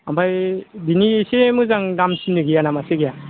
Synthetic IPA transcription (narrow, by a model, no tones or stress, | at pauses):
ambajbinisemɯzaŋdamsinːɯɡijanamaseɡija